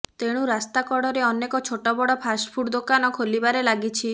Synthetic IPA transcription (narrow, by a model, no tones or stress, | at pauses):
t̪eɽ̃ũɾast̪akɔɽɔɾeɔnekɔt͡ʃʰoʈɔbɔɽɔpʰaspʰuɽd̪okanɔkʰolibaɾelaɡit͡ʃʰi